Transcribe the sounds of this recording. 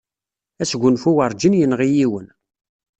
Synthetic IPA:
æsɡʷːʊnfuwəɾˤd͡ʒinjənʁijiwən

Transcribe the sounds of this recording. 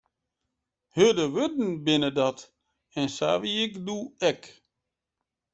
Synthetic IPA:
hødəʋødn̩bɪnədɑt | ɛnsa̰ːʋiɪkduɛk

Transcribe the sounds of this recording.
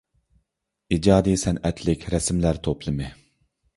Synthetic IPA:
id͡ʒɑːd̪isɛnɛt̪ʰlɪkʲʰɾɛsmlæɾt̪ʰopʰlˠɨmɨ

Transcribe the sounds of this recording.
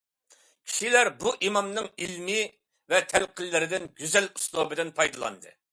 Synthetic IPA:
kʲʰi̥ʃilæɾbuʔimɑmnɨŋilmɪ | vɛt̪ʰælqʰəlːɪɾɪd̪ɪnɡʲyzælu̥slˠobɪd̪ɪnpʰɑjd̪ɨlˠɑ̰nd̪ɨ̰

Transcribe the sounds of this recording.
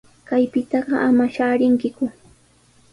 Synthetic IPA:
kajpɪt̪ɑɢɑʔamaʃaːɾɪŋkɪkʊ

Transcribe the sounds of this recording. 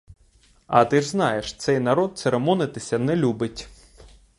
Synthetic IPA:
ɐt̪ɪʐznɑjɛʃt̪sɛjnɐɾɔt̪̚t̪seɾɛmɔnɪt̪ɪsʲɐnɛlʲubɪtʲ

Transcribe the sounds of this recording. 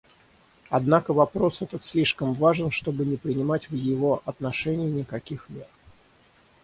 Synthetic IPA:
ɐd̪nakəvɐpɾo̞sɛt̪ət̪sʲlʲiʂkəmvaʐɨnʂt̪o̞bɨnʲɪpɾʲɪnʲɪmatʲvjɪvo̞ʔɐt̪nɐʂɛnʲɪjɪnʲɪkɐkʲixmʲet̪

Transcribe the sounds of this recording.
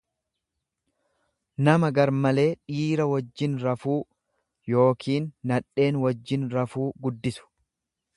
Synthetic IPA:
nɐmɐɡɐɾmɐle̞ːᶑiːɾɐwɐd͡ʒːɪnɾɐfuː | jo̞ːkʰiːnːɐᶑːe̞ːnwɐd͡ʒːɪnɾɐfuːɡʊd̪ːɪsʊ̥

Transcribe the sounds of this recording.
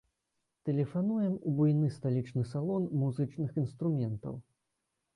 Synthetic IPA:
t̪ɛlʲɛfanujɛmubujnɨst̪alʲit͡ʂnɨsalˠɔnmuzɨt͡ʂnɨxinst̪ɾumʲɛnt̪ɐ̰w

